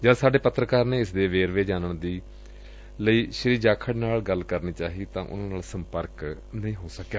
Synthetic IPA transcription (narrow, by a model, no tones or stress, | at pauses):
d͡ʒəd̪saːɖeːpət̪ːɾəkaːɾneːɪsd̪eːʋeːɾʋeːd͡ʒaːnəɳd̪iː | ləiːʃəɾiːd͡ʒaːkʰəɽnaːlɡəlkəɾniːt͡ʃaːɦiːt̪ãːʔʊ̰nãːnaːlsəmpəɾk | nəĩːɦoːsəkːaː